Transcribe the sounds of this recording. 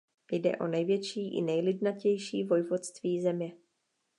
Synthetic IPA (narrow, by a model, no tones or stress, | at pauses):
jdɛ̰ʔo̞̰nɛjvjɛt͡ʃiːʔɪ̰nɛjlɪdnacɛjʃiːvo̞jvot̪st̪viːzɛmɲɛ